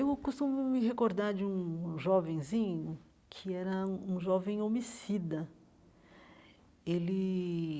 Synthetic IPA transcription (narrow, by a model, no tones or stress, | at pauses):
ewkust̪ũmʊmɪɦekoɾd̪aɾd͡ʒɪũʒɔvẽj̃zĩɲʊ | kʰɪɛɾɐũũʒɔvẽj̃omisid̪ɐ | elɪ